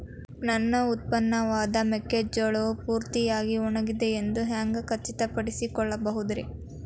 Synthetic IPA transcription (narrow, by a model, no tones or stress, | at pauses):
nɐnːɐut̪̚pɐnːɐʋaːd̪ɐmekːed͡ʒɐɭopuːɾt̪ijaːɡiɔɳɐɡid̪eend̪uɦaːŋɡɐkɐt͡ʃːit̪ɐpɐɽisikɔɭːɐbɐɦud̪ɾi